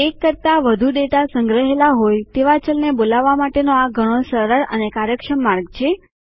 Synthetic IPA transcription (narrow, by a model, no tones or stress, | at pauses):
ekːəɾt̪aʋəd̪ʱuɖeʈasəŋɡɾəɦelaɦojt̪eʋat͡ʃəlnebolaʋːamaʈenoaɡʱəɽ̃osəɾəɾə̰nekaɾjəkʃəmːaɾɡt͡ʃʰe